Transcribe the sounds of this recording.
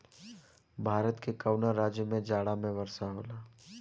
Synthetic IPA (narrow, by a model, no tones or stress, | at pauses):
bʱaːɾət̪kekəʊnaɾaːd͡ʒjəmẽd͡ʒaːɽamẽʋɐɾsaɦoːlaː